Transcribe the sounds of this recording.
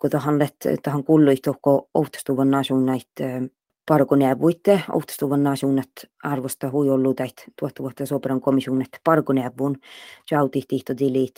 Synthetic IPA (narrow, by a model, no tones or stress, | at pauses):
kot̪ɑhɑnlet̪t̪ɑhɑŋkulːuiht̪ohkoo̰wht̪ːɑ̥st̪uʋɑnːɑːsuŋnɑit̪ː | pɑrkoniæʋːuit̪ːeo̰wht̪ɑ̥st̪uʋɑnːɑːsuːnɑt̪ɑrʋost̪ɑhuiolːut̪æiht̪t̪uɔht̪ːɑʋuɔt̪ːɑsoːpeɾɑŋkomisuŋnɑt̪ːpɑrkoniæʋːuːnt͡ʃɑut̪iht̪iht̪od̪iliːt̪